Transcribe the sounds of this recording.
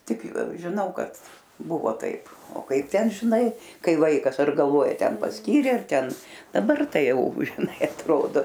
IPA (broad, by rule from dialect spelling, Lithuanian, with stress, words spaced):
ˈtʲɪk ʒʲɪˈnɐʊ ˈkɐt ˈbʊʋoː ˈtɐɪp oː ˈkɐɪp ˈtʲɛn ʒʲɪˈnɐɪ ˈkɐɪ ˈʋɐɪkɐs ɐr ɡɐlˠˈʋoːjɛ ˈtʲɛn pɐsʲˈkʲiːrʲeː ɐr ˈtʲɛn dɐˈbɐr ˈtɐɪ ˈjɛʊ ʒʲɪˈnɐɪ ɐtˈroːdoː